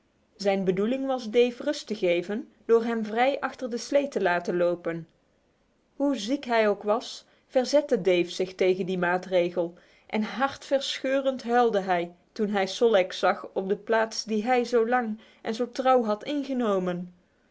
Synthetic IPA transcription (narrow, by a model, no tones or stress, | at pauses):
zɛjnbədulɪŋʋɑzdejfrɵstəɣejvən | d̥ʊːɹɦɛmvrɛjʔɑχtərdəslejtəlaːtənlowpən | ɦuzikɦɛjowkʋɑs | fɛɹzɛtədejfsɪxtejɣəndimaːtrejɣəlˠ | ʔɛnɦɑɹtfɛɹsχøːrəntɦɛlˠdəɦɛj | tunɦɛjsɔlˠɛksɑχɔp̚dəplaːtsdiɦɛjzowlɑŋ | ʔɛnzowtrɑwɦɑtɪnχənowmən